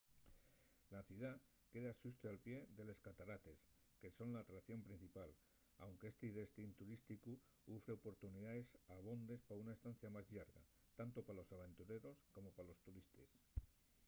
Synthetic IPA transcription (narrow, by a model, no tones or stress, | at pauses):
laθjuða | ke̞ðaʃust̪ealpje̞ðe̞le̞skat̪aɾat̪e̞s | ke̞so̞nlaːt̪ɾakθjo̞mpɾin̟θipal | a̰wŋke̞est̪eiðe̞st̪int̪uɾist̪iku | ufɾe̞opo̞ɾt̪uniðae̞saβ̞o̞nd̪e̞spaunae̞st̪an̟θjamazʎaɾɣa̰ | t̪ant̪o̞palo̞saβ̞ẽ̞nt̪uɾe̞ɾo̞sko̞mo̞palo̞st̪uɾist̪e̞s